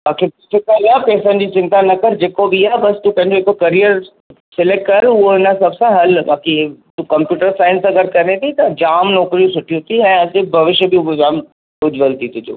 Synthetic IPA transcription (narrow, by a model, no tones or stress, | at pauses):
baːkibɪsɪkalapɛːsə̃n̆d͡ʑit͡ɕɪ̃nt̪anɐkəɾd͡ʑeːkobʱiaːbɐst̪ũpɐ̃ɦɪ̃ɲd͡ʑoeːkokɐɾijəɾ | sɪleːʈkːɐɾʊɦoɦɪnəsɐbsãɦɐlbaːkit̪ũkɐ̃mpjuːʈəɾsãːɪ̃nsɐɡəɾkɐɾnet̪ʰit̪ɐd͡ʑaːmnoːkɾijũsʊʈʰijũt̪ʰiɛ̃ːɐd͡ʑebʱɐʋɪʃjəbibd͡ʑaːm | ɖʊd͡ʑʋəlt̪it̪ʊd͡ʑo̰ː